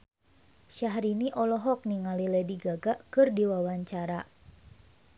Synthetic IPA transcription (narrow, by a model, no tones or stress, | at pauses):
ʃaɦɾiniʔɔlɔɦɔk̚niŋalilɛdiɡaɡaʔkɨrdiwawaɲt͡ʃaɾa